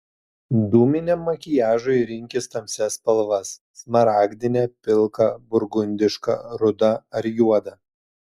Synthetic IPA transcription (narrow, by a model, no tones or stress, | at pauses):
d̪uːmʲɪnʲɛmːɐkʲɪjæːʒʊɪɾʲɪŋʲkʲɪst̪ɐmʲsʲɛspɐlˠʋɐsːmɐɾɑːɡʲd̪ʲɪnʲɛpʲɪlˠkɐbʊɾɡʊnʲd̪ʲɪʃkɐ̰ɾʊd̪ɐɐɾjuɔd̪ɐ